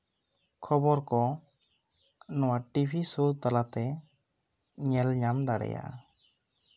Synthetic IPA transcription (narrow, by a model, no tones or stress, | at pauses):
kʰɔbɔɾkɔ | nɔwaʈibʰisut̪alat̪ɛ | ɲɛlɲamd̪aɽɛ̰ja̰ʔ